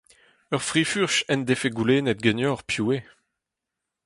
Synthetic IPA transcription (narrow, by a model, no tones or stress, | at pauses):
œʁfʁifyʁʃɛnd̪efeɡuleːnɛt̪̚ɡɛnjɔʁpʰjue